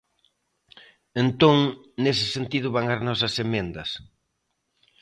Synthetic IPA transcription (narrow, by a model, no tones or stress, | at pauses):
ent̪õŋ | nesɪ̥sent̪iðʊβaŋaɾnɔs̬ɐsemẽnd̪ɐs